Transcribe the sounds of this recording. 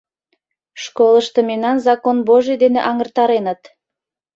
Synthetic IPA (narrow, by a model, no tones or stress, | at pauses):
ʃkolˠəʃt̪ə̆memnɑnzɑkonboʒed̪eneʔɑŋərt̪ɑɾenət̪